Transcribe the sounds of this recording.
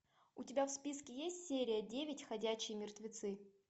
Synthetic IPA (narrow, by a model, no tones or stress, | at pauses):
ʊtʲɪbʲafspʲiskʲɪjesʲtʲsʲeɾʲɪjədʲevʲɪtʲxɐdʲæɕɪjəmʲɪrt̪vʲɪt̪sɨ